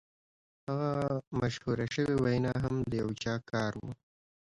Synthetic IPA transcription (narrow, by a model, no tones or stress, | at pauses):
haɣamaʃhuɾaʃəwewajnɑɦamd̪əjawt͡ʃɑkɑɾwu